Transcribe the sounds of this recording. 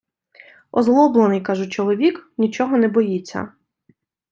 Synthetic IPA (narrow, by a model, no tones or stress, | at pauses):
ɔzlˠɔblˠenɪjkɑʒʊt͡ʃɔlˠɔʋʲiknʲit͡ʃɔɦɔnɛbɔjit͡sʲːɐ̰